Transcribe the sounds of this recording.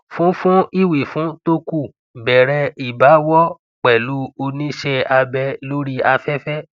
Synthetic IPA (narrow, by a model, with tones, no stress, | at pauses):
fũ˦fũ˦i˦˨wi˨fũ˨˦to˦ku˦˨ | bɛ˨ɾɛ˧i˨ba˨˦wɔ˦ | k͡pɛ˨lu˨˦o˧nĩ˦ʃɛ˧a˧bɛ˧lo˦ɾi˦a˧fɛ˦fɛ˦